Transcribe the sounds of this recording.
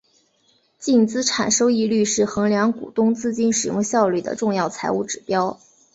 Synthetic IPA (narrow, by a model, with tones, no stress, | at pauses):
t͡ɕi˥˩nt͡sɹ̩˥ʈ͡ʂʰa̰˨˩nʂo˥ʊi˧˥ly˥˧ʂɻ̩˥˩xɤ˧˥ŋljɑ˧˥ŋkṵ˨˩t̪ʊ˥ŋt͡sɹ̩˥˩t͡ɕi˥˩nʂɻ̩˨˩jʊ̰˥˧ŋɕjɑ˥˧ʊly˥˩d̪ə̰˩ʈ͡ʂʊ˥˧ŋjɑ˥˩ʊt͡sʰa˧˥ɪu˥˩ʈ͡ʂɻ̩˨˩pjɑ˥ʊ